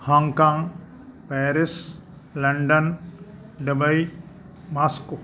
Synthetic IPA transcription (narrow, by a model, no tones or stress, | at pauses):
haŋkaːŋ | pɛːɾɪs | lɐɳɖən | ɖɐbɐi | masko